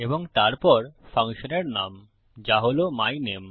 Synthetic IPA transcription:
eboŋt̪aɾpɔɾfʰaŋʃoneɾnam | d͡ʑaɦolomajnem

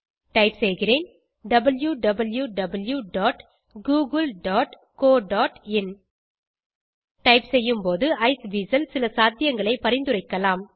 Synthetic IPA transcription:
ʈɐɪpsɛjɣɪreːn | ɖɐbɐljuɖɐbɐljuɖɐbɐljuɖaːʈ | ɡuːɣɐlɖaːʈ | koːɖaːʈɪn | ʈɐɪpsɛjːɯmpoːðɯʔɐɪsʋiːsɐlsɪlɐsaːt̪ɪjɐŋɡɐɭɐɪpːɐɾɪnd̪ɯɾɐɪkːɐlaːm

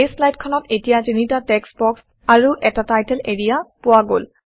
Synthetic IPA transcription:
eslajtkʰɔnɔtetijazinitatɛksbɔks | aɹuʔɛtatajtɛleɹijapʊwaɡol

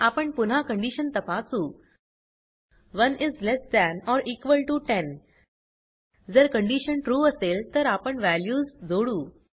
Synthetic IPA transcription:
apəɳpun̤akəɳɖiɕənt̪əpasuː | ʋənɪzlɛsd̪æ̃nɔɾikʋəlʈuʈen | d͡zəɾkəɳɖiɕənʈɾuːəselt̪əɾapəɳʋæljuːzd͡zoɽuː

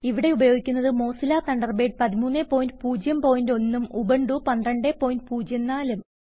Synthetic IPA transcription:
iʋiɽe̞ubɐjoːɡikʲːunːɐðɨmo̞ːsilaːt̪ɐɳɖɐrbeːɖ̚pɐðimuːnːeːpːo̞ːjindɨpuːd͡ʑjɐmpo̞ːjindo̞nːumubɐɳɖupɐnd̪rɐɳɖeːpːo̞ːjindɨpuːd͡ʑjɐnːaːlum

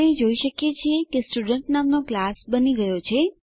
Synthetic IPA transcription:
ẽd͡ʒoiʃəkjet͡ʃʰiekesʈuɖəɳʈnamnoklasbəniɡəjot͡ʃʰe

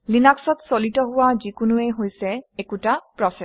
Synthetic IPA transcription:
linaksɔtsolitɔɦʊwazikʊnuɛɦojsɛekutapɹɔsɛ

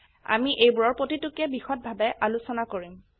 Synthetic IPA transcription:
a̰miʔejbuɹɔɹpotitʊkɛbixɔt̚bʱabɛʔalusɔnakoɹim

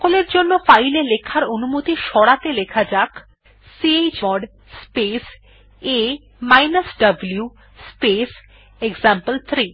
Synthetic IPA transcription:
koleɾd͡ʑonːofajlelekʰaɾonumot̪iʃɔɽat̪elekʰad͡ʑak | siejt͡ɕɔɖ | spes | e | majnasɖablju | spes | eɡzampəlt̪ʰɾi

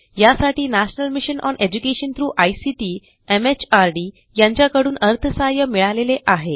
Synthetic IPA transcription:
jasaʈiːnæɕnəlmiɕənʔɔ̰nʔed͡ʑukeɕənt̪ʰɾuːʔajsiʈiː | emet͡ɕaɾɖiː | jaɲt͡ɕjakəɽuːnəɾt̪ʰəsajəmiɭaleleʔaɦe

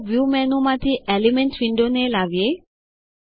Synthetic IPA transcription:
viumɛ̃nũmãt̪iʔɛlimɛ̃ntwĩndonelavje

